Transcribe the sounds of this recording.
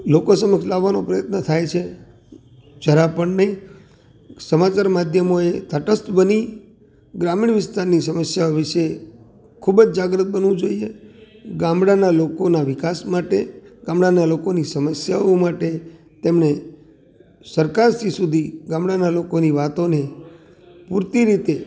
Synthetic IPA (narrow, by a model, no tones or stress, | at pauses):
lokosəməkslaʋːanopɾəjət̪nət̪ʰajt͡ʃʰe | d͡ʒəɾapəɳnəĩ | səmat͡ʃaɾmad̪ʱjəmoet̪ʰəʈəst̪bəni | ɡɾamiɳʋɪst̪aɾnisəməsjaoʋɪʃe | kʰubd͡ʒd͡ʒaɡɾət̪̚bənʋũd͡ʒoieɡãmɽanalokonaʋɪkasmaʈeɡãmɽanalokonisəməsjaomaʈe | t̪emne | səɾkaɾsisud̪ʱiɡãmɽanalokoniʋat̪one | puɾt̪iɾit̪e